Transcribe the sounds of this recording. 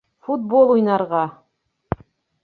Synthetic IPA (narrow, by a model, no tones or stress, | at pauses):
fut̪̚bolˠujnɑɾʁɑ